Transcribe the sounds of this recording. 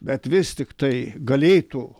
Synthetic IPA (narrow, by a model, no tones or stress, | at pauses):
bʲɛt̪ʋʲɪst̪ʲɪkt̪ɐɪɡɐlʲeːt̪ʊ